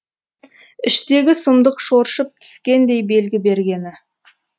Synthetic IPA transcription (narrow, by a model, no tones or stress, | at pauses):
ɪʃt̪e̞ɡʲɪsəmd̪əqʃoɾʃəp̚t̪ʰʏ̥skʲe̞nd̪e̞jbe̞lɡʲɪbe̞ɾɡʲe̞nɪ